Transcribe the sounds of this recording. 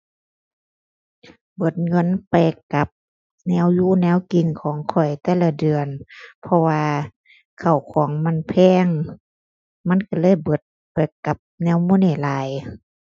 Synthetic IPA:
bɤ˧˩˦t̪̚ŋɤ˧˥˨npɛː˧˩kːa˨˦p̚ | nɛː˧˥˨wjuː˧˥˨nɛː˧˥˨wki˨nkʰɔː˨˦ŋkʰɔ˨˩jt̪ɛː˧˩˨la˧˩dɯ˨ənpʰɔ˧waː˧ | kʰa˨˩wkʰɔː˨˦ŋma˧˥˨npʰɛː˧˥˨ŋ | ma˧˥˨nka˧˩lɤː˧˥˨jbɤ˧˦t̪̚ | pɛː˨˩kːa˨˧˦p̚nɛː˧˥˨wmuː˧˥˨niː˧˩˨laː˨˦j

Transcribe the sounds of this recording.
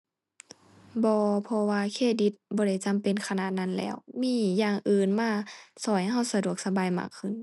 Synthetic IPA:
bɔː˧pʰɔ˧waː˧kʰeː˧˩t̪̚di˧˦t̪̚bɔː˧ɾa˧˩jt͡ɕa˧˦mpe˧˨nkʰa˧naː˧˩t̪̚na˧˥˨nlɛ̰ː˧˩˨wmiː˧˥˨jaː˧ŋʔɯː˨nmaː˧˥˩sɔː˨˩˦jɦa˧˩˨wsa˧du˧˩ək̚sa˧baː˨jma̰ː˧˩kʰːɯ˧˩n

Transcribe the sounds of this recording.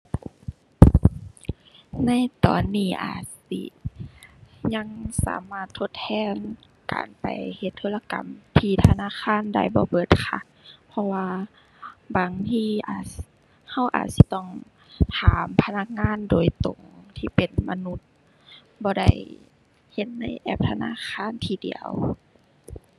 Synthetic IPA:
na˧˥˨jt̪ɔ̰ː˨˩nːiː˧˩ʔa̰ː˨˩t̪̚sḭ˧˩ | ɲa˧ŋsa̰ː˨˦maː˧˩t̪ʰːo˧t̪̚ʰhʰɛː˧˥˨n | ka̰ː˨˩npa̰˨˩jhe˧t̪ʰːɤː˧˨la˧ka̰˨˩mt̪ʰiː˧t̪ʰa˧naː˧˥˨kʰaː˧˥˨nda˧˩jbɔː˧˦bɤː˧˩t̪̚kʰa˧˩ | pʰɔ˧waː˧ | baː˨ŋt̪ʰiː˧ʔaː˨˩t̪ | ha˧˩wʔa̰ː˨˩t̪̚si˧t̪ɔ˧˩ŋ | t̪ʰaː˨mpʰa˧na˧˩k̚ŋaː˧˥˨ndoː˨˩jt̪o˨˩ŋt̪ʰiː˧pe˨˩nma˧nu˧t̪̚ | bɔː˧da̰˧˩j | he˧t̪̚na˧˩jʔɛ̰˧p̚t̪ʰa˧na̰ː˧˥˨kʰaː˧˥˨nt̪ʰiː˧˩dḭ˨˩ə̰w

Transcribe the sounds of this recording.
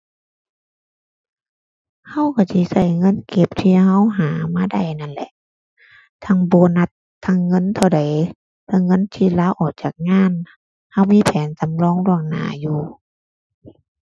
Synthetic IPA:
ha˧˥˨wkʰa˧˩si˧˦˨sa˧˩jŋɤ˧˥˨nke˧˦p̚t̪ʰiː˧˩ha˧˥˨wɦaː˨˦maː˧˥˨da˧˩jna˧˥˨nlɛ̰˧˦ʔ | t̪ʰa˧˥˩ŋbɔː˧˦na˧˦t̪ʰːa˧˥˨ŋːɤ˧˥˨nt̪ʰa˧˩wda˨˦j | pʰaː˧˥˨ŋɤ˧˥˨nt̪ʰiː˧˩laː˧˥˨wʔɔː˨˩k̚t͡ɕaː˨˩k̚ŋaː˧˥˨n | ha˧˥˩wmiː˧˥˨pʰɛː˨˦nsa˨˦mlɔː˧˥˨ŋlu˧˩əŋna̰ː˨˦juː˧˩

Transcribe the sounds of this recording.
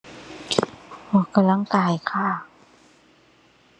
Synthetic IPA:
wɔː˧˩ka˧˨mla˥ŋkaː˧jkʰaː˥˩

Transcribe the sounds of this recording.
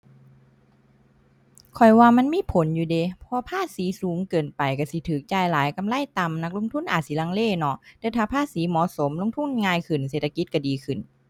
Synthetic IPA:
kʰɔ˨˩jwaː˧ma˧˥˨nmiː˧˥˨pʰo˨˦njuː˧de˧pʰɔ˧pʰaː˧˥˨siː˨˦suː˨˦ŋkɤː˨˩npa˨jka˧˩si˧˦t̪ʰɯː˨˩˦k̚t͡ɕaː˧˩jlaː˨˦jka˧˨mla˧˥˨jt̪a˨mna˧˥k̚lo˧˥˨ŋt̪ʰu˧˥˨nʔaː˨˩t̪̚si˧˦laː˧˨ŋleː˧˥˨nɔ˧ʔt̪ɛː˧˦t̪ʰaː˧˩pʰaː˧˥˨siː˨˦mɔː˨˦so˨˦mlo˧˥˨ŋt̪ʰu˧˥˨n˧ŋaː˧jkʰɯ˨˩nseː˧˨˩t̪ʰːa˧ki˧˦t̪̚ka˧˩diː˨kʰɯ˨˩n

